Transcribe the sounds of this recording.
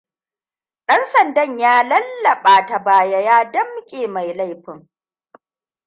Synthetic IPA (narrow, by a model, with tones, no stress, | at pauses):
ɗɐ˦nsɐ˨ndɐ˦ɲjaː˦lɐ˦lːɐ˨ɓaː˨ta˨baː˨ja˦jaː˦dɐ˦mkʲʼeː˨ma˨jla˦jɸɪ˦ŋ